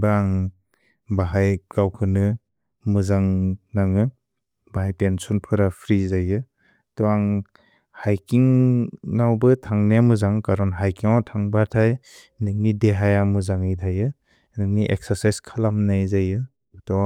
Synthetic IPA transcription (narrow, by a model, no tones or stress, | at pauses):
baaŋ | baɦajkawkʰɯnɯ | mɯzaŋnaŋɯ | baɦajpensɔnpʰɯɾapʰɾizajɯ | tɔaŋ | hajkiŋnawbɯtʰaŋneamɯzaŋkaɾɔnɦajkiŋatʰaŋbaɾtʰaj | nɯŋnideɦajamɯzaŋɯjtʰajɯ | nɯŋniʔḛk̚saɾsajskʰalamnajzajɯ | tɔ